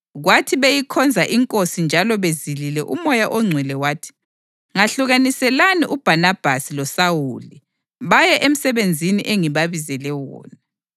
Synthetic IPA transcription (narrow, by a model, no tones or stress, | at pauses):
ɣwatʰiβejikʰɔnd͡zʱaʔiŋkʼosind͡ʒʱalɔβezililɛʔumɔjaʔɔŋ͡ǀʱwilɛwaːtʰi̥ | ŋaɬuɣanisɛlaniʔub̥ʱanab̥ʱasilɔsawuli | βajɛʔem̩sɛβend͡zʱiniʔeŋiβaβizɛlɛwɔ̰ːna